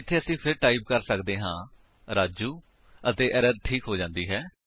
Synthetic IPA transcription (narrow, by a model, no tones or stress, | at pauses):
ɪt̪ʰːeːəsĩːpʰɪɾʈaːiːb̚kəɾsəkd̪eːɦãː | ɾaːd͡ʒuː | ət̪eːʔɛɾəɾʈʰiːkɦoːd͡ʒãːnd̪iːɦɛː